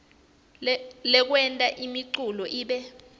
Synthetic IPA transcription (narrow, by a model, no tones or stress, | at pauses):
lɛk̬wɛntʼaʔimiǀulɔʔiːɓɛ